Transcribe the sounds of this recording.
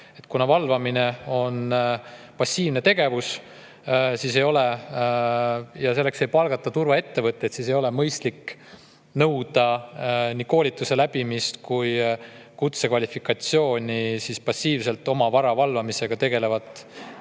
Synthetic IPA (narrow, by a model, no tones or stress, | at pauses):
e̞t̪kunɑvɑlvɑmine̞o̞n | pɑsːiːvne̞t̪e̞ɡe̞vus | siːse̞jo̞le | jɑse̞lːe̞kse̞jpɑlɡ̥ɑt̪ːˑɑt̪uɾvɑe̞t̪ːe̞vɤt̪ːˑet̪siːs̬e̞jo̞le̞mɤjst̪likː | nɤwd̪̥ɑnʲiːko̞ːlit̪ːˑuse̞læb̥imist̪kuj | kut̪se̞kvɑlʲifikˑɑt̪sjo̞ːnʲisispɑsːiːvse̞lt̪ːˑo̞mɑvɑɾɑvɑlvɑmise̞ɡ̥ɑt̪e̞ɡ̥e̞le̞vɑt̪ːˑ